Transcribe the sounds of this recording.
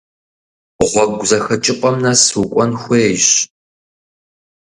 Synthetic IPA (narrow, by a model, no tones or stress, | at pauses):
ʁʷɔɡʷzɐxɐt͡ʃʼɪqʷʼɐmnɐsukʷʼɔnxʷeːɕ